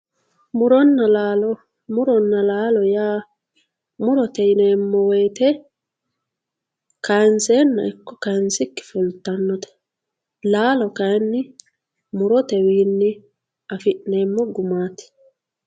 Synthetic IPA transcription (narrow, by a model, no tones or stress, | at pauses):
mʊɾɔnːɐlaːlɔ | mʊɾɔnːɐlaːlɔjaː | mʊɾɔt̪ɛɪneːmːɔwejt̪ɛ | kʰɐjnseːnːɐ̰ɪkːɔ̥kɐnsɪkːɪ̥fʊlt̪ːɐnːɔt̪ɛ̥ | laːlɔkɐjnːɪ | mʊɾɔt̪ɛwiːnːɪ | ɐfɪʔne̞ːmːɔɡʊmaːt̪ɪ̥